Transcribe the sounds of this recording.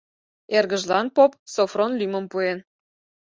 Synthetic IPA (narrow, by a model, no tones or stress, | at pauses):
erɣə̆ʒlɑnpop̚sofronlymə̆mpuen